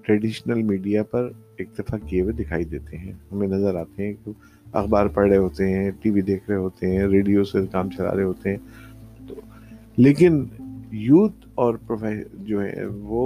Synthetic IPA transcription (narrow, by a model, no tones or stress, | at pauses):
ʈɾɛɖiːʃnəlmiːɖijapɐɾ | ɪk̚t̪ɪfakiewed̪ɪkʰaːid̪eːt̪eɦɛ̃ːɦɐmẽnɐzəɾaːt̪eɦɛ̃k | ɐ̰xbaːɾpɐɽeɦoːt̪eɦɛ̃ʈiːʋid̪eːkʰɾɐɦeɦoːt̪eɦɛ̃ɾeːɖijosekaːmt͡ʃɐla̰ːɾɐeɦoːt̪eɦɛ̃ːt̪oː | leːkɪnjuːt̪ | ɔːɾpɾofɛːd͡ʒoːɦɛ̰̃ʋoː